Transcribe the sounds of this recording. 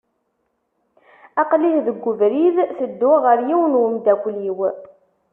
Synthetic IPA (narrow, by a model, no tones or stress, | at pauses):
ɑqlihðəɡːʊvɾiðθəd̪ːʊʁəɾjiwnwəmd̪ækʷliw